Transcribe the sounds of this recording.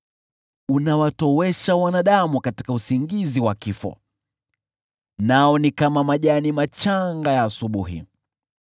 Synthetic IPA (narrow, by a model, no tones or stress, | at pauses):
unawatɔwɛʃawanaɗamukati̥kausiŋɡiziwakifɔ̰ | naɔnikamamaʄanimat͡ʃaŋɡajaːsuɓuɦḭ